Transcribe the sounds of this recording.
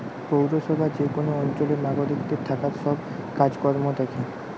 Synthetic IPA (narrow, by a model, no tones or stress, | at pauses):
powɾoʃɔbʱad͡ʑekonoɔnt͡ɕoleɾnaɡoɾikd̪eɾt̪ʰakaɾʃɔb | kad͡ʑkɔɾmod̪ɛkʰe